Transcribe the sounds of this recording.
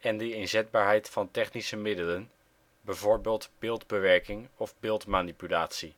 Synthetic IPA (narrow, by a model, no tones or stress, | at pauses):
ɛndəɪnzɛd̚baːɹɦɛjtfɑntɛχnisəmɪdələn | bɛjvoːɹbeːlˠtb̥ɪːlˠdbəʋɛɹkɪŋɔvbɪːlˠtmaːnipylaːtsi